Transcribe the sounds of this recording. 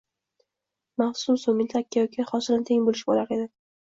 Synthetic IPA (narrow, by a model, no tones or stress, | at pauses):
maχsʊmsomɪnʲt̪ʰakʲːajɒkʲʰɪχɒsɪlant̪ʰeŋbolɪʃɪbolaɾed̪ɪ